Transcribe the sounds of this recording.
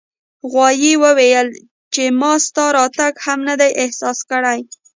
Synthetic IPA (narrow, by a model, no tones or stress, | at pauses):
ɣwɑjiwəwejəl | t͡ʃemɑst̪ɑɾɑt̪aɡhamnəd̪ajʔɪhsɑskəɽaj